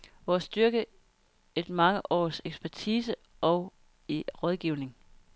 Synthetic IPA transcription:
ʋɒsd̥yɐɡ̥ə | e̝d̥mɑ̈ŋəʔɒ̰ːseɡ̥sb̥ʰæɐt͡sʰiːsə | ɒ̽ʊ | iʁɒð̞ˠɡ̥iʊne̝ŋ

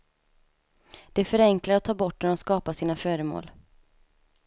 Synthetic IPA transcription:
d̪̥ɛfœɾɛŋklaɾɔt̪ʰːɑːbɔʈːnɛnɔskɑːpasiːnafœːɾəmo̰ːl

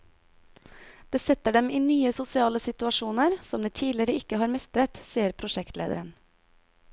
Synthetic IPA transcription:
d̪̥eːsɛt̪əɖɛmiːnyːəsʊsɪɑːləsɪt̪ʉɑʃuːnəɾsɔmd̪eːt̪ʰiːlɪɾəɪkəhɑːɾmɛst̪ɾət̪siːəɾpʰɾʊʃɛkt̪lḛːd̪ə̰ɾən

